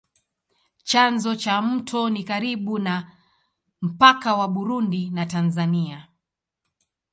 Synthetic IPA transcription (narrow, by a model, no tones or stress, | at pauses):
t͡ʃanzɔt͡ʃam̩tʰɔnikaɾiɓuna | m̩pakawaɓuɾundinatanzania